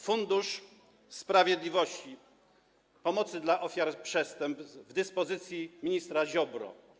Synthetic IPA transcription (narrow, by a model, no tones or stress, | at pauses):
fund̪uʂ | spɾavʲjɛd̪lʲivɔɕt͡ɕi | pɔmɔt̪sɘd̪laʔɔfʲjaɾpʂɛst̪ɛmp̪vd̪ɘspɔzɘt̪sʲjimʲiɲist̪ɾaʑɔbɾɔ̰